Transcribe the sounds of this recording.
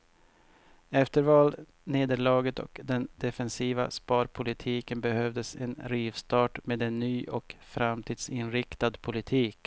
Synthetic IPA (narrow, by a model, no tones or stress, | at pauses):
ɛft̪əɾvɑːl | neːd̪əɭɑːɡət̪ɔ̰kd̪ɛnd̪ɛfɛnsiːva̰spɑːɾpʰʊlɪt̪ʰiːkənbɛhœvd̪əsɛ̰nɾiːvst̪ɑːʈmeːd̪ɛnːyːʔɔkfɾamt̪ʰiːd̪̥sɪnɾɪkt̪ad̪pʰʊlɪt̪ʰiːk